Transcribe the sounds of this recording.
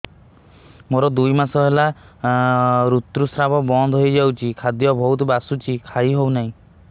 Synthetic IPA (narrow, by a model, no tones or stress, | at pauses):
moɾɔd̪ujmasɔɦela | ɾut̪ɾusɾabɔbɔnd̪ɔɦojd͡ʒawt͡ʃʰikʰad̪jɔbʱɔɦut̪basut͡ʃʰikʰaiɦownaɦĩ